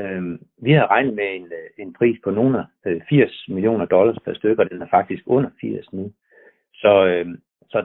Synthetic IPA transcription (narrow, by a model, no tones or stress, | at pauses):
øʋihɑ̈ʁɑ̈ɪnð̩ˠmee̝ne̝npʰʁḭːspʰɒ̽no̝ːnæ | fiɐ̰smiljo̝̰ːnɐd̥ɒ̽lɐspʰæɐsd̥øɡ̥əɒ̽d̥enæɐfɑ̈ɡ̥̚d̥isɡ̥ɔ̽n̰ɐfiɐ̰snu | sɒ̽ | sɒ̽